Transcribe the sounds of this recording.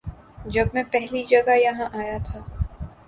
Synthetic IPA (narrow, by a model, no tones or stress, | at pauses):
d͡ʒɐbmɛ̃pɛɦlid͡ʒɐɡajɐɦãʔaːjat̪ʰaː